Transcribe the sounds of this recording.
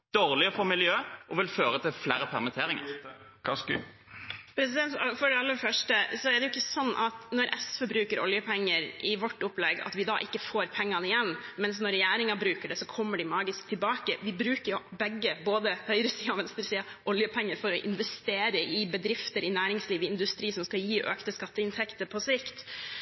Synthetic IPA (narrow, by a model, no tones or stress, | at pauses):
d̪̥oːʁlɪəfɔmɪljøːʔɔʋɪlføːɾət̪ʰɪlflæːɾəpʰɛʁmɪt̪ʰeːɾɪŋə̰ɾ | pʰɾɛsɪd̪ɛnt̪fɔɖɛɑlːəfœʂʈəsɔɛɖɛjʊɪkːəsɔnːʔɑt̪nɔɾʔɛsfɛbɾʉːkəɾʔɔ̰ljəpʰɛŋːəɾʔɪʋɔʈːʊplɛɡːɑ̰t̪ʋɪd̪ɑ̰ːʔɪkːəfoːɾpʰɛŋːɑnəɪjɛnːmɛnsnɔɾɛjæːɾɪŋɑbɾʉːkəɖɛsɔkʰɔmːəɖɪmɑːɡɪsk̚t̪ʰɪlbɑːkəʋɪbɾʉːkəɾjʊbɛɡːəboːd̪əhœʏɾəsiːɑʋɛnst̪əɾsiːɑʔɔljəpʰɛŋːəɾfɔɾɔʔɪ̰nʋɛst̪eːɾəʔɪbəd̪ɾɪft̪əɾɪnæːɾɪŋsliːʋɪɪnd̪ʉst̪ɾiːsɔmskɑljiːʔøːkt̪əskɑt̪ːəɪnt̪ʰɛkt̪əɾpʰɔsɪkt̪